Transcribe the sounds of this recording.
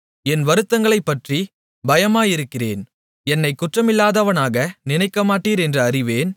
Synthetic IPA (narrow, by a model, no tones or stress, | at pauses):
ɛnʋɐɾɯt̪ːɐŋɡɐɭɐɪpːɐʈri | bɐjɐmaːjɪɾɯkːɪrḛːn | ɛnːɐɪkːʊʈrɐmɪlːaːðɐʋɐnaːɣɐnɪnɐɪkːɐmaːʈːiːɾɛndrɐɐrɪʋeːn